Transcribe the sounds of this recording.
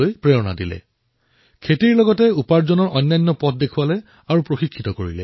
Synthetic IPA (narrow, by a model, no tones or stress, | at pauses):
ojpɹeɹɔna̰dilɛ̰ | kʰetiɹlɔɡɔtɛupaɹzɔnɔɹʔɔjnːajnːɔpɔt̚ʰdekʰʊalɛ | aɹupɹoxikʰːitɔkoɹḭlɛ̰